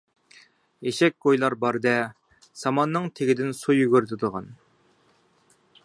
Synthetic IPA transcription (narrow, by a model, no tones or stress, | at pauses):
eʃɛk̚ʲɡ̥ojlˠɑɾbɑɾd̪ɛ | sɑmɑnːɨŋt̪ʰeɡʲid̪ɪnsujyɡʲyɾt̪ʰɪd̪əʁɑn